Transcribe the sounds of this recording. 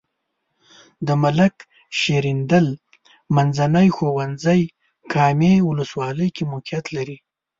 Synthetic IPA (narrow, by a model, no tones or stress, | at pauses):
d̪əmalak | ʃeɾind̪əl | manzanəjxowanzəj | kʰɑmewʊləswɑləjkimʊkijat̪laɾi